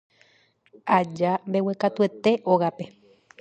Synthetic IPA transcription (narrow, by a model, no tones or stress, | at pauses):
ad͡ʒambe̞wekat̪ue̞t̪e̞ʔoɣape̞